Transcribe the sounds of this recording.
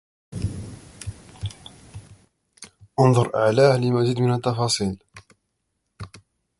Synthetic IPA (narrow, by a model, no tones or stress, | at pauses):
ʔʊnðˤʊɾˤʔa̰ʕlaːhlɪmazid̪mɪnat̪ːɑfɑːsˤiːl